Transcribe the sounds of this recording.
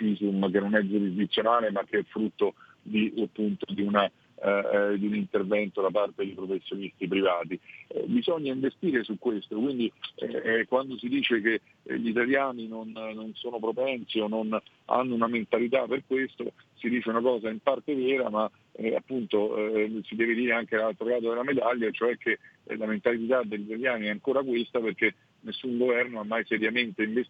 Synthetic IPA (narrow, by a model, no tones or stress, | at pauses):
fizumk̟enːonɛd͡ʒuɾizd̪it̪sːjonaːlemak̟ːeɛfːɾut̪ːo | d̪iapːunt̪od̪iuna | d̪iunint̪ervɛnt̪od̪apart̪ed̪ejpɾofesːjonist̪ip̬ɾivaːt̪iɛ̰bizɔɲːaiɱvest̪iːɾesukːwest̪okwind̪iɛ̰kwand̪osid̪iːt͡ʃekḛ | ʎit̪aljaːninonːonsoːnopɾopɛnsionːon | a̰nːounament̪alit̪aperkwest̪o | sid̪iːt͡ʃeunakɔːzaimpart̪evɛːɾama | ɛa̰pːunt̪osid̪ɛːved̪iːɾeaŋk̟elalt̪ɾolaːt̪̬od̪elamed̪aʎːjat͡ʃoɛkʰːelament̪allit̪ad̪eʎːit̪aljaːniɛaŋkoːɾakwest̪aperk̟e | nesːuŋɡovɛrnoamːajsɛɾjament̪eiɱves